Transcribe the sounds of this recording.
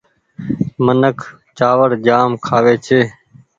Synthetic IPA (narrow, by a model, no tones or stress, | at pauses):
mənəkʰ | t͡ʃaːʋəɽd͡ʒaːmkʰaːʋeːt͡ʃʰeː